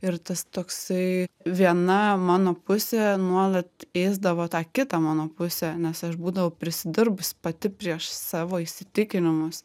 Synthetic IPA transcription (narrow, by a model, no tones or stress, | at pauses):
ɪrt̪ɐst̪oːksɐɪʋʲiɛnɐmɑːnoːpʊsʲeːnuɔlˠɐt̪eːzd̪ɐʋoːt̪ɑːkʲɪt̪ɑmɑːnoːpʊsʲeːnʲɛsɐʃbuːd̪ɐʋɐʊpʲɾʲɪsʲɪd̪ʲɪɾbʊspɐt̪ʲɪpʲɾʲiɛʃsɑːʋoːisʲɪt̪ʲɪkʲɪnʲɪmʊs